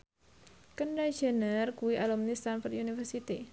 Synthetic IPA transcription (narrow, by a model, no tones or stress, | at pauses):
kəɳɖad͡ʒə̤nərkuwiʔalumnist̪anfɔrt̪ʔunifərsit̪i